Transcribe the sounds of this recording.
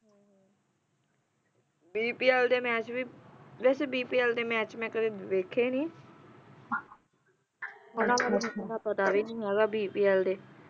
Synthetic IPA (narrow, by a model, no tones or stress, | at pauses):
biːpiːɛːld̪eːmɛ̃ːt͡ʃbiːʋɛːseːbiːpiːɛːld̪eːmɛːt͡ʃmɛ̃ːkəd̪eːʋeːkʰeːnĩː | ɦonãːʋaːlaːskəd̪aːpət̪aːʋiːnĩiːɦɛːɡaːbiːpiːɛːld̪eː